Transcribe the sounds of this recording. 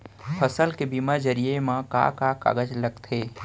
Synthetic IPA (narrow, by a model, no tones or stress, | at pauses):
pʰəsəlkebimad͡ʒəɾijemãka̰kaka̰ɡəd͡ʒləɡt̪ʰeː